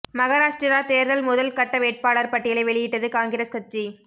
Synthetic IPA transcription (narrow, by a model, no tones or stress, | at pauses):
mɐɣaːɾaːʂʈɾɐɾaːt̪eːɾðɐlmʊðɐlkɐʈːɐʋeːʈ̚paːɭɐɾpɐʈːɪjɐlɐɪʋɛɭɪjɪʈːɐðɯkaːŋɡɪɾɐskɐt͡ʃi